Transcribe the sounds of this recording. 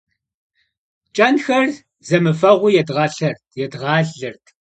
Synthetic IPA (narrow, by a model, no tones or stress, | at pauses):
t͡ʃʼɐnxɐr | zɐmɨfɐʁʷʊjɛdʁɐɬɐrtʰjɛdʁɑːɮɨrtʰ